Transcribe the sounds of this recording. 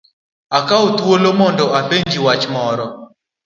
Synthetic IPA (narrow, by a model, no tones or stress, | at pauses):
akaot̪wolomɔndɔapeɲd͡ʒiwat͡ʃmɔɾɔ